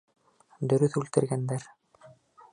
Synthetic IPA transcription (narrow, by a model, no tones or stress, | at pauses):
d̪ɵɾyθʉlt̪ɘɾɡænd̪æɾ